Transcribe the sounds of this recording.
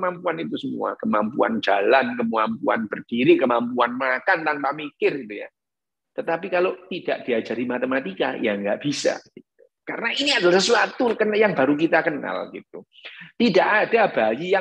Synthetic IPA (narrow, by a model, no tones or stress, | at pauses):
mampuanit̪usəmṵa̰kəmampṵa̰nd͡ʒalankəmuampua̰nb̥ərd̥iɾikəmampuanmakant̪anpamikɪrɡit̪uja̰ | t̪ət̪ap̬ikalot̪id̥aʔd̥iad͡ʒaɾimat̪emat̪ika̰jaŋɡaʔb̥isa̰ɡit̪u | kaɾənaʔiniadalasəsuat̪ukənjaŋbaɾuk̬it̪akəna̰lɡḭt̪̚u | t̪idaʔad̥abajija